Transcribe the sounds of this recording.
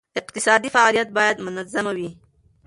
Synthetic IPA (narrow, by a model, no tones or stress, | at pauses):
ɪqt̪ɪsɑd̪ifaɑlijat̪̚bɑjad̪mʊnazamawi